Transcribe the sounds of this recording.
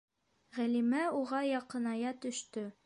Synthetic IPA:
ʁælimæuʁɑjɒqɤ̆nɑjɑt̪ɵ̆ʃt̪ɵ

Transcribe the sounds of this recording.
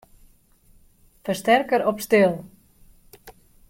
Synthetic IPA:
fərstɛrkəɾɔpstɪlˠ

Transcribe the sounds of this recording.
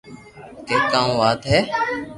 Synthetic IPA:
keːkaːũːʋaːt̪ɦɛː

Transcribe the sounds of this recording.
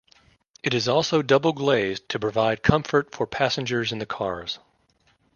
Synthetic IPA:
ɨɾɨzɔlˠsoʊdʌbl̩ˠɡleɪztʰɨpʰɹ̥ɨvaɪd̚kʰʌ̃ɱfə˞tfə˞pʰæsɨ̃nd͡ʒə˞zɨ̃nðɨkʰɑɹz̥

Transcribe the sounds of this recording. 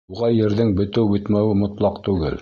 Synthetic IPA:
uʁɑjɘ̆ɾðɘŋbɵ̆t̪ɘwbɵ̆t̪mæwɘmŏt̪lˠɑqt̪ʉɡɘ̰l

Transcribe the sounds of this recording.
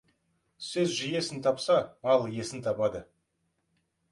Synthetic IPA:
sɵzʒije̞sɪnt̪ʰɑpsɑmɑlˠje̞sɪnt̪ʰɑpɑd̪ə

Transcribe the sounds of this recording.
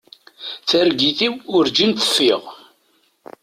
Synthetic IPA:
θæɾɡiθiwʊɾd͡ʒint̪ə̥fːiʁ

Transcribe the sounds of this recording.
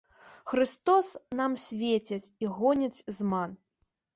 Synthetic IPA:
xɾɨst̪ɔsnamsʲvʲet͡sʲɛt͡sʲiɣɔnʲɐt͡sʲzman

